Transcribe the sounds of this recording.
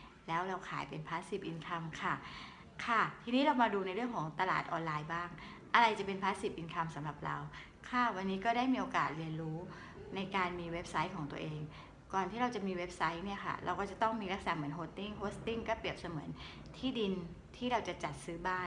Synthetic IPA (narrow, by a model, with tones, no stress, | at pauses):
lɛː˦˥wɾa˧wkʰaː˩˦jpe˧npʰaː˦˥t̪̚si˨˩p̚ʔi˧nkʰa˧mkʰa˥˩ | kʰa˥˩t̪ʰiː˧niː˦˥ɾa˧wmaː˧duː˧na˧jɾɯ˥˩əŋkʰɔː˩˦ŋt̪a˧la̰ː˨˩t̪̚ʔɔː˧nlaː˧jbaː˥˩ŋ | ʔa˧ɾa˧jt͡ɕa˨˩pe˧npʰaː˦˥t̪̚si˨˩p̚ʔi˧nkʰa˧msa˨˩˦mɾa˨˩p̚ɾa̰˧w | kʰa˥˩wa˧nːiː˦˥kɔː˥˩daː˥˩jmiː˧ʔoː˧ka̰ː˨˩t̪̚li˧ənɾuː˦˥ | na˧jkaː˧nmiː˧we˦˥p̚sa˦˥jkʰɔː˩˦ŋt̪u˧əʔeː˧ŋ | kɔː˨˩nt̪ʰiː˥˩ɾa˧wt͡ɕa˨˩miː˧we˦˥p̚sa˦˥jni˥˩ɐkʰa̰˥˩ɾa̰˧wkɔː˥˩t͡ɕa˨˩t̪ɔ˥˩ŋmiː˧la˦˥k̚sana˨˦˩mɯ˩˦nhoː˦˥t̪ːi˥˩ŋpʰoː˦˥st̪i˥˩ŋkɔː˥˩pi˨˩əp̚sa˧mɯ˩˦ən | t̪ʰiː˥˩di˧n | t̪ʰiː˥˩ɾa˧wt͡ɕa˨˩t͡ɕa˨˩t̪̚sɯː˦˥baː˥˩